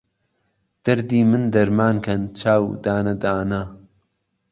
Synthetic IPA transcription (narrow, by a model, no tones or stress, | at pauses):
d̪̥ɐɾd̪iːmɨnd̪ɐɾmaːnkʰɐnt͡ʃʰaːwd̪aːnɐd̪aːnɐ